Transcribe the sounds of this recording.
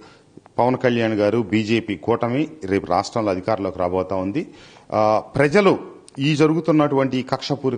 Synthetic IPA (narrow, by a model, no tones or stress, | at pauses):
pɐʋɐnkɐljaːɳɡaːɾubiːd͡ʒe̞ːpiːkɔːʈɐmeɾe̞ːpuɾa̰ːʂʈɾɐmloːɐd̪ʱikaːɾɐloːkiɾaːbɐːt̪aːund̪i | pɾɐd͡ʒɐlu | iːd͡ʒɐɾuɡut̪unːɐʈuʋɐɳʈiːkɐkʂɐpuːɾ